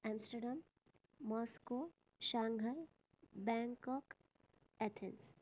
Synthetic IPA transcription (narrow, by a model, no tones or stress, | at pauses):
ɛ̃msʈəɾɖamː | ɔːsko | ʃãːŋɡʱəl | bɛ̃ːŋkɔːk | ɛt̪ʰẽns